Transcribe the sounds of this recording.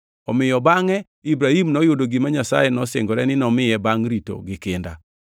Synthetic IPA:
ɔmɪjɔbaŋɛ | ibɾahimnɔjʊdoɡimaɲasa̰jɛnɔseŋɡɔɾɛnɪnɔmɪjɛbaŋɾito̰ɡɪkɪnda̰

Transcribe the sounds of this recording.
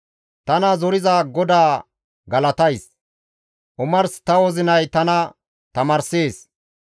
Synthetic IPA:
t̪ɐnɐzɔɾɪzaːɡɔd̪aː | ɡɐlɐt̪ɐjs | ʔʊmɐɾst̪ɐwɔzɪnɐjt̪ɐnɐ | t̪ɐmɐːɾseːs

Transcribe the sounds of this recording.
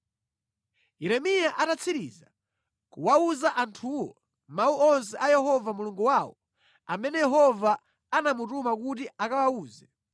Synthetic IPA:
jɛɾɛmijaʔatat͡sʰiɾḭza | kuwauzaʔantʰuwɔ | mauɔns̬ɛʔajɛɦɔvamuluŋɡuwawɔ̰ | amɛnɛjɛɦɔva | anamutumakutiʔakawauːzɛ

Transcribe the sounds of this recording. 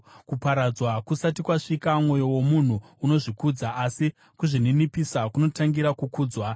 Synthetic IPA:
kupaɾad͡zwakusatikwaʂikamŋo̞jo̞wo̞mun̤uːno̞ʐikud͡zaʔːsi | kuʐininipisakuno̞taŋɡiɾakukuːd͡zwa

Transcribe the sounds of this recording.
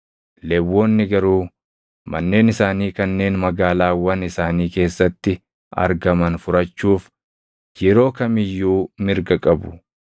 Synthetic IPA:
lɛwːoːnːɪɡɐɾuː | mɐ̰nːe̞ːnɪsaːniːkɐnːe̞ːnmɐɡaːlaːwɐnɪsaːniːke̞ːsːɐt̪ːɪ | ɐ̰ɾɡɐmɐnfʊɾɐt͡ʃːuːf | jɛɾo̞ːkɐmɪjːuːmɪɾɡɐkʼɐbʊ

